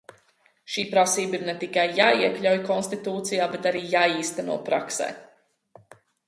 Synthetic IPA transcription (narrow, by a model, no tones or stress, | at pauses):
ʃiːpɾasiːbiɾnɛt̪ikajːaːiɛklʲawjkɔnst̪it̪uːt̪sijaːbɛt̪aɾiːjaːiːst̪ɛnṵɔpɾa̰ksɛ̰ː